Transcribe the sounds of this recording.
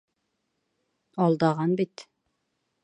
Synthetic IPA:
ɒlˠd̪ɑʁɑnbit̪

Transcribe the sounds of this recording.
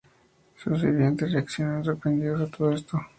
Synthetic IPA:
sosβḭβjent̪ereaksjonesensoɾpɾend̪iðozet̪oðoest̪o

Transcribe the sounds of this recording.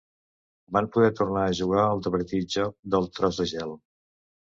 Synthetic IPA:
bampuðɛt̪urnaəʒuɣ̞aəlˠd̪əβəɾt̪it̪d͡ʒɔk̚d̪əlˠt̪ɾɔzðəʒɛlˠ

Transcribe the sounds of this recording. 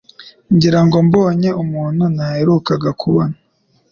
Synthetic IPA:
ɲɟiɾaŋɡo̞mboːɲe̞umuːn̥hunaheɾukaɡakʰuβona

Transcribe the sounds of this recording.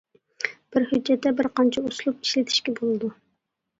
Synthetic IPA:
b̥ɪɾhyd͡ʒːɛt̪ːɛbɪɾqɑnt͡ʃʰɛuslˠup̚i̥ʃlɪt̪ʰɪ̥ʃkʲɛbolˠɨd̪u

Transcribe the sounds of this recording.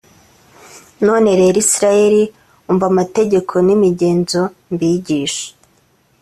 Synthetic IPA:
no̞ne̞ɾe̞ɾisiɾaje̞ɾi | uɱvamateɟe̞kʰo̞nimiɟe̞ːnzombiɟiːʃḁ

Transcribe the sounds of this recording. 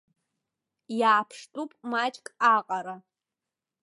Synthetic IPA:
jaːpʰʂtʼupʼmat͡ʃʼkʼaqʼaɾa

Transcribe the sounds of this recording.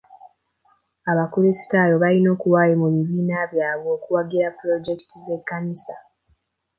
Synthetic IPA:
aβakuɾesi̥taːjo̞βalino̞ːkuwajemuβiβiːnaβjaːβoːkuwaɡiɾapɾo̞d͡ʒe̞ki̥tize̞kːanisa

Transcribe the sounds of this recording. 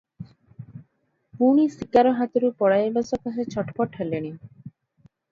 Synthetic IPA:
puɽ̃isikaɾɔɦat̪oɾupɔɽajebasɔkaset͡ɕʰɔʈpɔʈʰɦɛleɽ̃i

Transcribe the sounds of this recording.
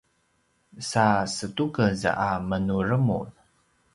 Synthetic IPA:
sasətukəzamənurəmṵð

